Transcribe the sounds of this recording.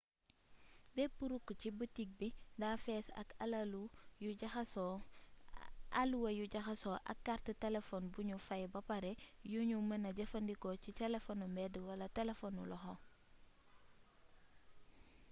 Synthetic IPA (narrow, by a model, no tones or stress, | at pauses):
bɛpuɾukːcibətik̚bidaːfɛːsɐ̰kallujus | aluwɐjuɟɐxɐsɔʔɐ̰kːartətɛlefɔnbuɲufajbɐpaɾɛjuɲumɐnɐɟɐfɐndikɔcitɛlefɔnumɛdəwɐlɐtɛlefɔnulɔxɔ